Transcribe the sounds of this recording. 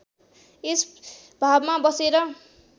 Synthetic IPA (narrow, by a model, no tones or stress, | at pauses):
es | bʱabmabʌseɾʌ